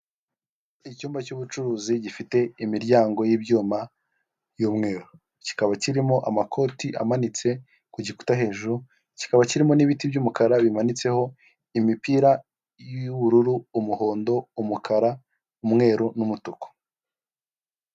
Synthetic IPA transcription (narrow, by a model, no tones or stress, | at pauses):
icuːmbacuβut͡ʃuɾuːziɟifite̞imiɾɟaːŋɡo̞jibjuːma | juːmŋe̞ːɾu | ci̥kaβaciɾimo̞ʔamakʰo̞tiʔa̰manit͡se̞ | kuɟiku̥taɦe̞ːʒuɾu | ci̥kaβaciɾimo̞niβitibɟuːmukaɾaβimanit͡se̞ho̞ | imipiːɾa | juβuɾuɾuːmuho̞ːndo̞umukʰaɾa | umŋe̞ːɾunumutuko̥